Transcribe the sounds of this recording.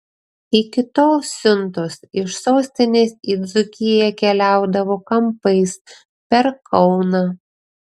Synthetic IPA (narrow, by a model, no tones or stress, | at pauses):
iːkʲɪt̪oːsːʲʊnt̪osɪʃsoːsʲt̪ʲɪnʲeːsid̪zʊkʲɪjɛkʲɛlʲæˑʊd̪ɐʋoːkɐmpɐɪs | pʲɛɾkʰɒʊnɑː